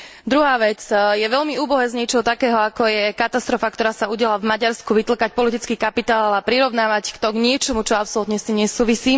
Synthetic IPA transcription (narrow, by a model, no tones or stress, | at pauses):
d̪ɾuɦaːʋɛt͡sjɛʋɛʎmiuːbɔɦɛːzɲɪɛt͡ʃɛɦɔt̪akɛːɦɔakɔjɛkat̪ast̪ɾɔfakt̪ɔɾaːsauɟɪɛlavmaɟaɾskuʋit̪l̩kac̚pɔlit̪it͡skiːkapit̪aːlapɾiɾɔʊnaːʋackt̪ɔɡɲɪɛt͡ʃɔmut͡ʃɔapsɔlut̪ɲɛst̪iːmɲɛsuːʋisiː